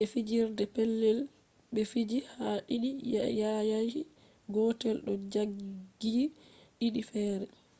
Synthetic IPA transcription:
ɓɛfid͡ʒiɾdɛpɛlːɛl | ɓɛfid͡ʒihaʔiɗijajajhi | ɡɔtɛlɗɔd͡ʒaɡɡːiʔiɗifɛːɾɛ

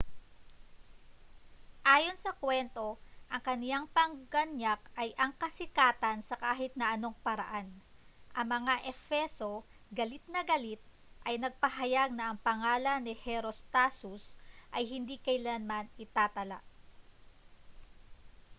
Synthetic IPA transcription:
ʔaːjo̞nsɐkwɛnt̪o̞ʔɐŋkɐnjaŋpɐŋɡɐnjakʔɐjʔɐŋkɐsɪkaːt̪ɐnsɐkaːɦɪt̪̚nɐʔɐno̞ŋpɐɾɐ̰ʔanʔɐŋmɐŋaʔɛfɛso̞ | ɡɐlɪt̪̚nɐɡɐlit̪̚ | ʔɐjnɐɡ̚pɐɦɐjaɡ̚nɐʔɐŋpɐŋaːlɐnːɪhɛɾost̪asusʔɐjɦɪnd̪ikɐjlanmanɪt̪aːt̪ɐla̰ʔ

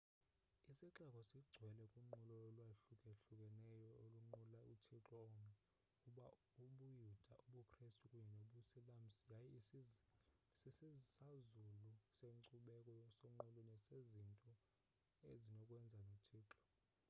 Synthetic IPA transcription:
isiǁakʼɔsiɡ͡ǀʱwɛlɛkʼuŋ͡ǃulɔolwaɬukʼeɬukʼɛnɛjɔoluoŋ͡ǃulautʰiǁʼɔːmɛ | kʼuɓa | uɓujud̥ʱaʔuɓukʰʼrestʼukʼuɲɛnoɓusilam̩sijaji | sisizsazuluseǀuɓɛkʼɔsoŋ͡ǃulɔnɛsezintʼɔ | ezinɔkʼwɛnd͡zʱanotʰiːǁʼɔ̥

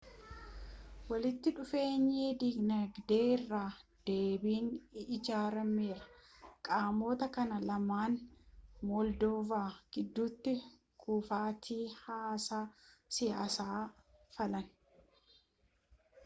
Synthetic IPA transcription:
wɐlɪt̪ːɪᶑʊfe̞ːɲːeːd̪iɡnɐɡd̪e̞ːɪrːaːd̪̥e̞ːbiːnɪd͡ʒaːɾɐmeːɾɐ̥ | kʼaːmo̞ːt̪ɐkɐnɐlɐmaːnmɔld̪oːvaːɡ̥ɪd̪ːuːt̪ːɪ | kʰuːfaːt̪ʰiːhaːsaːsɪjaːsaːfɐlɐn

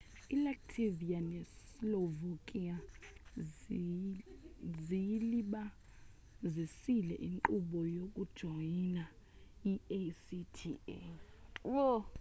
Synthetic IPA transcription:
ilak̚tʰivianɛs | lɔvokʼia | ziliɓa | zisilɛ̰ʔiŋǃʼuɓɔjok̬ʼud̥ʒ̥ʱɔjina | iesitʰḭḛwo

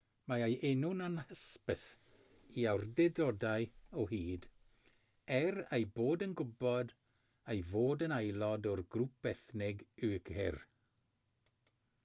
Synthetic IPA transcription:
maajʔenʊnanhəspəs | iawrdɛdɔdajɔɦiːd | ɛrejboːdənɡʊbɔd | ejvoːdənajlˠɔdɔrɡrup̚b̥ɛθnɪɡʉɡ̥hɪr

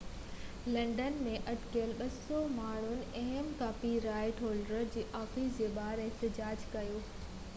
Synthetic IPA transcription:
lɐ̃ɳɖənmẽʔɐʈkijəlɓɐsɔmaːɽ̤̃ʊnɪ̆ɐɦəmkaːpiɾaːɪʈɦoːlɖɾəɾd͡ʑeːʔaːfiːsd͡ʑeːɓaːɾɛɦt̪ɪd͡ʑaːd͡ʑkɐjoː

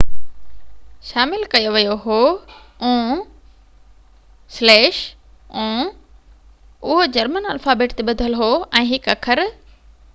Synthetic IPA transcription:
ʃaːmɪlkɐjoʋijoɦoː | ũː | slɛːʃ | ũː | ʊɦod͡ʑɐɾmənɐlfaːbeːʈt̪eɓɐd̪ʱəlɦoɛ̃ːɦɪkɐkʰəɾ

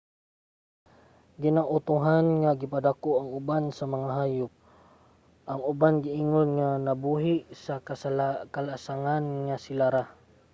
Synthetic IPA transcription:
ɡɪnaʔʊt̪uɦanŋaɡɪpad̪akoʔaŋʊbansamaŋaɦaːjʊp̚ | ʔaŋʊbanɡɪʔiːŋonŋanabuɦɪʔsakaskalasaŋanŋasɪlaɾa

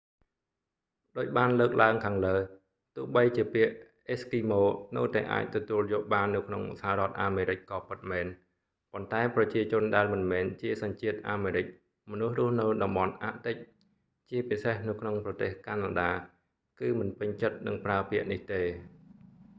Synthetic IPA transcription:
ɗoːc̚ɓaːnləːk̚laəŋkʰaːŋləː | t̪ʊ̆əhɓəjt͡ɕiəpiəʔ | ʔeskiːmoːnɨ̰wt̪aɛʔa̰ːc̚t̪ɔt̪uəljoːʔɓaːnːɨwkʰnoŋsaharŏət̪̚ʔaːmeːɾɨc̚kɑːpɨt̪̚mɛːn | pont̪aɛprɑt͡ɕiət͡ɕʊ̆ənɗaɛlmɨnmɛːnt͡ɕiəsɑɲt͡ɕiət̪̚ʔaːmeːɾɨc̚ | mɔnuhrʊ̆əhnɨwɗɑmɓɑnʔa̰ʔt̪ɨc̚ | t͡ɕiəpisehnɨwkʰnoŋprɑt̪eːhkanaːɗaː | kɨːmɨnpɨɲt͡ɕət̪̚nɨŋpraəpiəʔniht̪eː

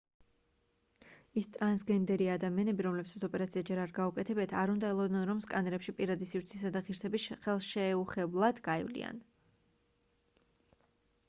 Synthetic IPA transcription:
ist̪ʼɾansɡɛnd̪ɛɾiad̪amianɛbiɾɔmlɛbsʰat̪sʰɔpʼɛɾat̪siad͡ʒɛɾaɾɡaukʼɛt̪ʰɛbɛt̪ʰaɾund̪aɛlˠɔd̪nɛnɾɔmskʼanɛɾɛpʃipʼiɾad̪isivɾt̪sʰisad̪aʁiɾsɛbisχɛlˠʃɛːuχɛblˠad̪̥ɡaivlḭa̰n

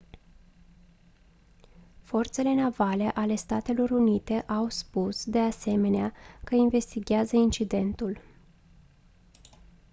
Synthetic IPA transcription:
fo̞rt̪se̞le̞navale̞ʔale̞st̪at̪e̞lo̞ɾunit̪e̞ʔawspusd̪e̞ase̞me̞neakəinve̞st̪iɡʲazəint͡ʃid̪e̞nt̪ul

